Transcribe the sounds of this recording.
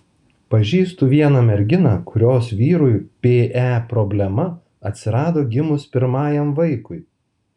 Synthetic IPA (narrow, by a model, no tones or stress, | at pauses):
pɐʒʲiːst̪uʋʲiɛnɐmʲɛɾʲɡʲɪnɑːkʊɾʲoːsʋʲiːɾʊjpʲeːʔæːpɾɔbʲlʲɛmɐ | ɐt̪ʲsʲɪɾɑːd̪oːɡʲɪmʊspʲɪɾmɑːjɛmʋɐɪkʊɪ